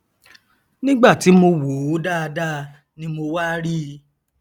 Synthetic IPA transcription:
nĩ˦ɡ͡ba˦˨ti˨˦mo˧wo˨˦da˦˧da˦ | nĩ˦mo˧wa˦ɾi˦

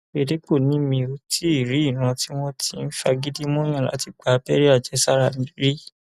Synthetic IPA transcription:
e˧˨de˨˦k͡po˦˨nĩ˦mĩ˧o˧tʰi˦i˦˨ɾi˨˦i˦˨nã˧ti˦w̃ɔ̃˦tʰi˧n̩˦fa˧ɡi˦di˦mɔ̃˦j̃ã˦˨la̰˨˦ti˦˨k͡pa˨˦pɛ˦ɾi˦a˦˨d͡ʒɛ˨˦sa˦ɾa˦˨mĩ˨˦ɾi˦

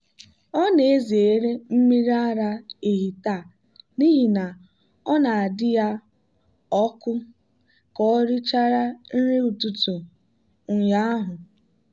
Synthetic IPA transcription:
ɔ˦ne˨e˦zi˨e˨ɾe˦m̩˦mi˦ɾa˦ɾa˦e˨ɦi˨ta˦˨ | ni˦ɦi˨na˨ | ɔ˦na˨a˨dɪ˦ja˦ | ɔ˦kʊ˦ | kɔ˦ɾɪ˦t͡ʃa˦ɾa˦n̩˦ɾe˦u˨tu˨tu˨ | ŋ̩˨ja˦a˦ɦʊ˨

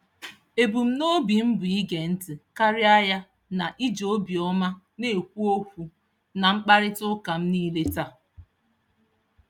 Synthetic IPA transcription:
e˨bu˨m̩˦no˦bi˨m̩˦bʊ˨i˦ɡe˨n̩˦tɪ˨ka˦ɾɪ˦a˦ja˦ | na˨ʔi˦d͡ʒo˦bi˨ɔ˦ma˦ | ne˨kʷu˦o˦fu˨ | na˨ŋ͡m̩˦k͡pa˦ɾɪ˦tʊ˦ka˨m̩˦niː˦le˦ta˦˨

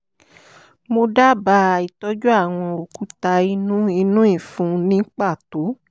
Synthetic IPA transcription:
mo˧da˦ba˧a˨i˨tɔ˦d͡ʒo˦a˦˨w̃ɔ̃˧o˨ku˨˦ta˧i˧nũ˦i˧nũ˦i˦˨fũ˨˧nĩ˨˦k͡pa˦˨to˨˦

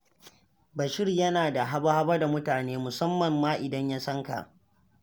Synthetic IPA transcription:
bɐ˨ʃɪ˦rjɐ˦naː˨da˨ɦa˦ba˦ha˦bɐ˦da˨mʊ˦taː˨neː˦mʊ˨sɐ˦mːɐ˨mːaː˦ʔɪ˨dɐ˦ɲja˦sɐ˦ŋka̰˨ʔ

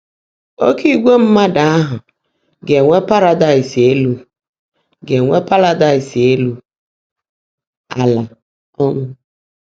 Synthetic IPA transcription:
o˦ki˦ɡʷe˦m̩˦ma˦da˨a˦ɦʊ˨ | ɡe˨ŋʷe˦pa˦ɾa˨da˦˨ɪ˨se˦lu˦ | ɡe˨ŋʷe˦pa˦ɾa˨da˦˨ɪ˨se˦lu˦ | a̰˨la˨ | ɔ˦ŋʷʊ˦

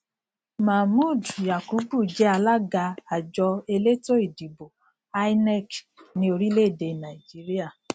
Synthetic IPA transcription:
ma˨mu˦˨dja˨ku˨˦bu˦˨d͡ʒɛ˨˦a˧la˦ɡa˧a˨d͡ʒɔ˧e˧le˦to˦i˨di˨bo˨ | a˦i˦nɛ˦˨k | nĩ˧˦o˧ɾi˦le˦˨de˧na˨i˨d͡ʒi˦ɾi˦a˦˨

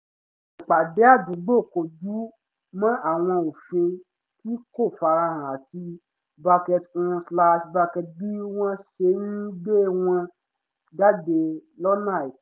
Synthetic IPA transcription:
k͡pa˨de˨˦a˦˨bũ˨˦ɡ͡bo˦˨ko˨d͡ʒu˨˦ | mã˦ʔa˦˨w̃ɔ̃˧o˨fĩ˧ | ti˦ko˦˨fa˨˧ɾã˧hã˨ti˧ | ba˧kɛ˧tɔ̃˧sla˧ʃba˧kɛ˧tbi˦w̃ɔ̃˦ʃe˧˦nĩ˦ɡ͡be˦˨w̃ɔ̃˧ | ɡa˦de˧lɔ˦nã˦˨i˨˦

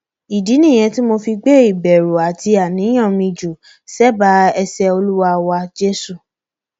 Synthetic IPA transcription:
i˨di˨˦nĩ˦˨j̃ɛ̃˧ti˦mo˧fi˧ɡ͡be˦i˦˨bɛ˨ɾo˨a˨ti˧a˨nĩ˨˦j̃ã˦˨mĩ˧d͡ʒu˨ | sɛ˦ba˨˦ɛ˧sɛ˧o˧lu˦wa˧wa˧d͡ʒe˦su˦˨

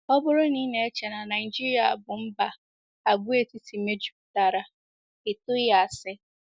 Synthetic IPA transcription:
ɔ˦bʊ˦ɾʊ˦niː˦ne˨e˦t͡ʃe˨na˨na˨ɪ˨d͡ʒi˦ɾi˨˦a̰˨bʊ˨m̩˦ba˨ | a˨ɡʷu˦e˨ti˦ti˨me˦d͡ʒu˨˦ku˨ta˨ɾa˨ | ɪ˨tʊ˦ja˨sɪ˦

